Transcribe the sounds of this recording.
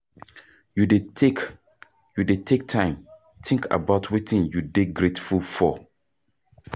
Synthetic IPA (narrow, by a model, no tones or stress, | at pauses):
judetek | judetʰek̚tʰãɪ̃m | tʰɪ̃ŋkʰa̰baʊtʰwitĩnjudeɡɹetfulfɔ